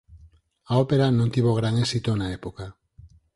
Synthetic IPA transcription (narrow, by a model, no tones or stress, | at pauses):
aope̞ɾano̞nt̪iβo̞ɣ̞ɾaŋesit̪onaepoka